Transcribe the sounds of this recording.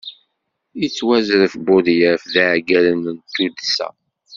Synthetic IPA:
it͡sːwæzɾəfbʊðjəfðæʕɡælənənt̪ːud̪sæ̰

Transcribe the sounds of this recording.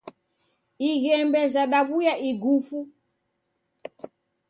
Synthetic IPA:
iɣɛmbɛʒaɗaβujaʔiɡufu

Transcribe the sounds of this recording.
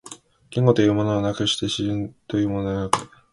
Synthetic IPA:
kʲĩŋɡo̞t̪ojɯ̟ːmo̞noanakɯ̟ɕi̥t̪e̞ɕint̪o̞jɯ̟ːmo̞nonakɯ̥

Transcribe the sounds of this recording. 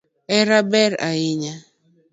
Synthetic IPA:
ɛɾabɛɾa̰iɲa

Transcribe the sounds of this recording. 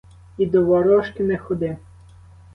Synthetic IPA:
id̪ɔʋɔɾɔʃkɪnɛxɔd̪ɪ

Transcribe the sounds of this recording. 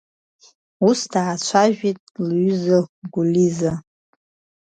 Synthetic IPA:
usdaːt͡ʃʷʰaʒᶣitʼlɥyzɨɡʷuliza

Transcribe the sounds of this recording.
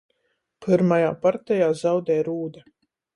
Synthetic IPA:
pɨɾmajaːpaɾt̪ɛjaːzawd̪ɛːɾuːd̪a

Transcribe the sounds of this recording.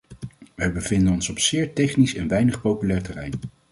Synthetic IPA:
ʋəjbəvɪndənɔnsɔpsɪːɹtɛχnisɛnʋɛjnəχpowpylɛːɹtɛrɛjn

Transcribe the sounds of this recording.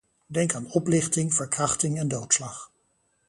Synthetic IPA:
dɛŋkaːnɔplɪχtɪŋv̥əɹkrɑχtɪŋɛndowtslɑχ

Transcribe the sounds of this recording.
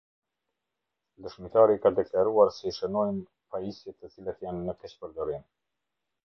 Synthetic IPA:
d̪əʃmit̪aɾikad̪ɛklaɾuaɾsɛʃənɔjn | paisjɛt̪ət͡silat̪janːəkɛt͡ʃpəɾd̪ɔɾin

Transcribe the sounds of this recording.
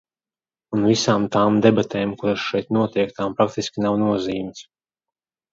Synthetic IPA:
unvisaːmt̪aːmd̪ɛbat̪ɛːmkuɾaʃʃɛjt̪nuɔt̪ɛɛk̚t̪aːmpɾak̚t̪iskʲinawnuɔziːms

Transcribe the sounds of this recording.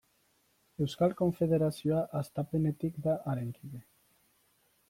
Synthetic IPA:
ewskalkoɱfeðeɾasjoaʔast̪apenet̪ikd̪aʔaɾeŋkiβe

